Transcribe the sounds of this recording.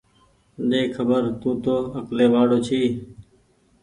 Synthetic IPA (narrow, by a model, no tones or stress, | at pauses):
ɗeːkʰːəbəɾt̪ũːt̪oːəkleːʋaːɽoːt͡ʃʰiː